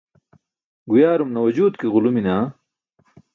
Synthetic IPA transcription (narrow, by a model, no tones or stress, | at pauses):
ɡujaːɾumnɐwɐd͡ʑuːd̪kiɣuluminaː